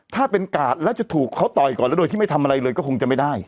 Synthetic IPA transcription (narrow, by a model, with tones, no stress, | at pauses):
t̪ʰaː˥˩pe˧nkaː˨˩t̪̚lɛː˦˥wt͡ɕa˨˩t̪ʰuː˨˩kʰːa˦˥wt̪ɔː˨˩jkɔː˨˩nlɛ˦˥do˧j̪ʰiː˥˩m˥˩t̪ʰmʔa˧ɾa˧jlɤː˧jkɔː˥˩ko˧ŋt͡ɕa˨˩ma˥˩jda˥˩j